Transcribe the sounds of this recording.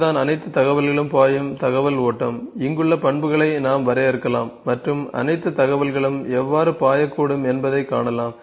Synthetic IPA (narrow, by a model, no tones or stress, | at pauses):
ðaːnɐnɐɪt̪ːɯt̪ɐɣɐʋɐlɐɭɯmpaːjɯmt̪ɐɣɐʋɐloːʈːɐmɪŋɡɯɭːɐpɐɳbɯɣɐɭɐɪnaːmʋɐɾɐɪɾɯkːɐlaːmːɐʈrɯmɐ̰nɐɪt̪ːɯt̪ɐɣɐʋɐlɣɐɭɯmɛʋːaːɾɯpaːjɐkːuːɽɯmɛnbɐðɐɪkːa̰ːɳɐlaːm